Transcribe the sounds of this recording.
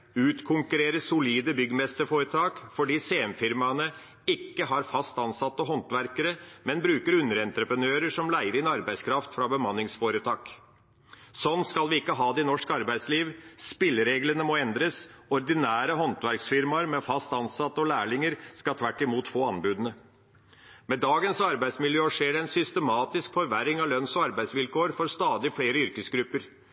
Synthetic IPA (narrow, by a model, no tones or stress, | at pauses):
ʉːt̪kʰʊŋkʉɾeːɾəsʊliːd̪əbʏɡəmɛst̪əfoːɾət̪ʰɑːkfɔɖiːseːɛmfɪɾmɑnə | ɪkːəɦɑɾfɑst̪ɑnsɑt̪ːəɦɔnt̪ʋæɾkəɾəmɛnbɾʉːkəɾʉnːəɾɛnt̪ɾəpənøːɾəʂɔmlæɪəɾɪnɑɾbæɪskʰɾɑft̪fɾɑbəmɑnːɪŋsfoːɾət̪ʰɑːk | sɔnːskɑlʋɪɪkːəɦɑːd̪ɛɪnɔʂkɑɾbæɪd̪sliːʋspɪlːəɾeːɡlənəmɔɛnd̪ɾəsɔɾd̪ɪnæːɾəɦɔnt̪ʰʋæɾksfɪɾmɑɾmɛfɑst̪ɑnsɑt̪ːɔlæːɭɪŋəɾskɑt̪ʰʋæʈːɪmuːt̪foːɑnbʉːd̪ənə | med̪ɑːɡənsɑɾbæɪsmɪljøːʂeːɖɛɛnsʏst̪əmɑːt̪ɪskfɔɾʋæɾɪŋɑlœnsɔɑɾbæɪsʋɪlkʰoːɾfɔɾst̪ɑːd̪ɪfleːɾəʏɾkəsɡɾʉpːəɾ